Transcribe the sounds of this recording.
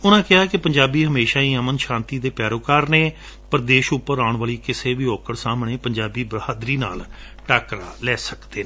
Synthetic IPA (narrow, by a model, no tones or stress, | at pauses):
ʊnãːkɪɦaːkɪpəɲd͡ʒaːbiːɦəmeːʃaːiːəmənʃãːnt̪iːd̪eːpɛːɾoːkaːɾneː | pəɾd̪eːʃʊpːəɾaːʊɳʋaːliːkɪseːʋiːɔːkəɽsaːmɳeːpəɲd͡ʒaːbiːbəɾhaːd̪ɾiːna̰ːl | ʈaːkɾaːlɛːsəkd̪eː